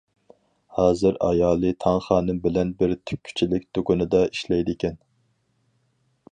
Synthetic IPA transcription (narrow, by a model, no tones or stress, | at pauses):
hɑːzɨɾɑ̰jɑːlˠɨt̪ʰɑŋχɑːnɨmbɪlɛnbɪɾt̪ʰy̥p̚ʲkʲʰy̥t͡ʃʰilɪkʲd̪̥okunɨd̪ɑiʃlɛjd̪ɪkʲɛn